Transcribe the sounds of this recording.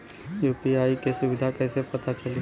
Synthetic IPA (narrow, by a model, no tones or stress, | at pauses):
jupiaikesʊbɪd̪ʱakəɦsepət̪at͡ʃəli